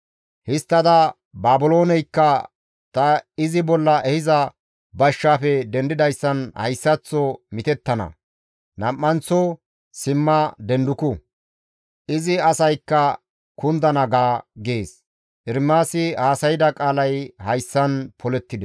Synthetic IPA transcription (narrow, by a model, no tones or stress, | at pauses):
hɪst̪ːɐd̪ɐ | baːbɪloːnɛjkːɐ | t̪ɐɪzɪbɔlːɐʔɛhɪzɐ | bɐʃːaːfɛd̪ɛnd̪ɪd̪ɐjsːɐnhɐ̰jsːɐt͡sːɔmɪt̪ɛt̪ːɐnɐ̰ | nɐmːɐnt͡sːɔ | sɪmːɐd̪ɛnd̪ʊkʊ | ʔɪzɪɐsɐjkːɐ | kʊnd̪ɐnɐɡaːɡeːs | ʔɪɾmːaːsɪhaːsɐjɪd̪ɐkʼaːlɐjhɐjsːɐnpʰɔlɛt̪ːɪd̪ɛ